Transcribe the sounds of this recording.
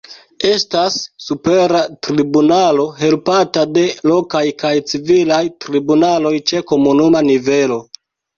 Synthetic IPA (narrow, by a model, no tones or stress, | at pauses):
e̞stasːupe̞ɾatɾibunalo̞ɦe̞lpatade̞lo̞kajkajt͡sivilajtɾibunalo̞jt͡ʃe̞ko̞munumanive̞lo̞